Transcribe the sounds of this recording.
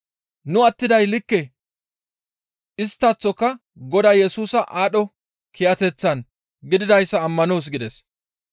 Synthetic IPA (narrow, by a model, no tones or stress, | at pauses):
nʊɐt̪ːɪd̪ɐjlɪkːɛ | ʔɪst̪ːɐt͡sːɔkːɐ | ɡɔd̪ɐjɛsuːsɐʔaːɗɔ | kʰɪjɐt̪ɛt͡sːɐn | ɡɪd̪ɪd̪ɐjsːɐːmːɐno̞ːs̬ɡɪd̪ɛs